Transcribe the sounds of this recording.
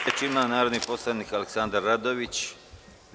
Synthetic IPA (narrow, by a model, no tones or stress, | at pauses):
et͡ɕimanaːɾod̪nipo̞slˠaniːkaleksand̪aɾːad̪o̞ʋit͡ɕ